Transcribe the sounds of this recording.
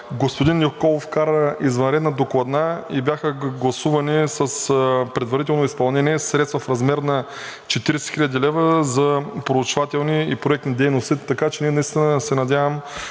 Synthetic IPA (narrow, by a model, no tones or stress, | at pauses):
ɡospod̪inːokɔlˠofkaɾəizvɐnɾɛd̪nɐd̪oklˠɐd̪naibjaxəɡlˠɐsuvɐnisɐspɾɛd̪vɐɾit̪̬ɛlˠnoispɐlˠnɛniɛsɾɛt̪st̪vɐfɾɐzmɛɾnɐ | t͡ʃɛt̪iɾɛsɛ̥xilʎʲəd̪ilɛvəzɐpɾout͡ʃvat̪ɛlˠniipɾoɛk̚t̪nid̪ɛjnost̪it̪ɐkat͡ʃɛniɛnɐist̪inəsɛnɐd̪ʲjavəm